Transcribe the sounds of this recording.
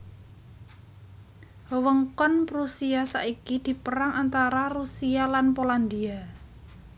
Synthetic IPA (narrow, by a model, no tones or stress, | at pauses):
wəŋkɔnpɾusiasa̰ʔikid̪̥i̤pəɾaŋant̪aɾarusialanpoland̪ia